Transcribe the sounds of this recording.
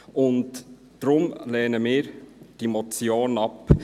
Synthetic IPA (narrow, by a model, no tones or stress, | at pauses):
ʊnd̥ː | ɾʊmlɛːnəmɪːɾd̥imɔt͡sjoːnɑp